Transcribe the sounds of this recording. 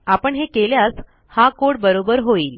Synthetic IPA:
apəɳɦekeljas | hãkoɽbəɾobəɾɦoiːl

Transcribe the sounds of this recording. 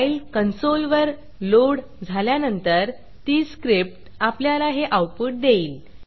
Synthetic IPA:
jlkənsolʋəɾ | loɽ | d͡zʱaljanənt̪əɾ | t̪iːskɾip̚ʈ | apljalaɦeʔawpuːʈ̚d̪eiːl

